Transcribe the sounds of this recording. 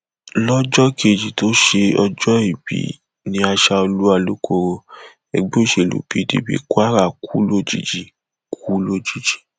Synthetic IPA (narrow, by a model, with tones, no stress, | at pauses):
lɔ˦d͡ʒɔ˦ke˧˨d͡ʒi˨to˦ʃe˧ɔ˧d͡ʒɔ˦i˦˨bḭ˨˦ | nĩ˦a˧ʃa˧o˧lu˦a˧lu˦kʰo˧ɾo˧ | ɛ˧ɡ͡be˦o˦˨ʃe˧˨lṵ˨˦pi˦dḭ˧˨bḭ˦kwa˦ɾa˦˨kʰu˦lo˦˨d͡ʒḭ˨d͡ʒi˨ | kʰu˦lo˦˨d͡ʒi˨˦d͡ʒi̥˨